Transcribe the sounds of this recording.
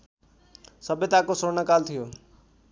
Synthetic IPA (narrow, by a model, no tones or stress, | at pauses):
səbet̪akosonəkaːlt̪ʰɪjoː